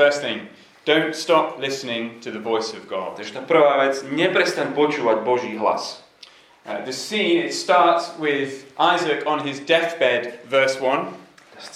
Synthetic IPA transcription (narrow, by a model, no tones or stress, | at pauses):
fɜ˞sθɪ̃ŋ | d̥õʊ̃ntstɑp̚ʰlɪsnɪ̃ŋtʰɨðɨvɔɪsʌvɡɑ̰d̚ʃt̪apɾoavɛtsnɛpɾɛst̪ãnbot͡ʃuad̪̚bɔʒiɦla̰s | ðɨsiɪtstɑɹtswɪðʔaɪzɨkn̩ɪzdɛθb̥ɛdvɜ˞swʌ̃n